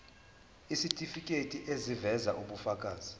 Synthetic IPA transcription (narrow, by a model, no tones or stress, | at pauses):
isitʼifikʼetʼiʔezivɛzaʔuɓufakʼaːzi